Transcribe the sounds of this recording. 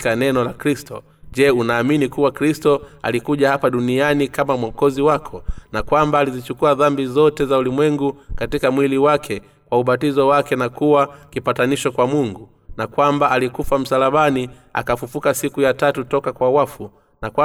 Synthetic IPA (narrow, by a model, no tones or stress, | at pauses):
kanɛnɔlakɾistɔ̰ | ʄɛunaːminikuwakɾistɔa̰likuʄahapaɗunianikamamwɔkɔziwakʰɔnakwambaːlizit͡ʃukuaðambizɔtɛzaulimwɛŋɡukatikamwiliwakʰɛ | kwauɓatizɔwakɛnakuwakipataniʃɔkwamuŋɡu | nakwambaalikufam̩salaɓani | a̰kafufukasikujatatutɔkakwawafu | nakwa